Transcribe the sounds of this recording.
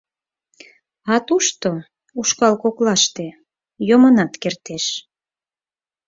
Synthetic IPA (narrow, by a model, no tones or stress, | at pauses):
ɑt̪uʃt̪o | uʃkɑlkoklɑʃt̪e | jomənɑt̪kert̪eʃ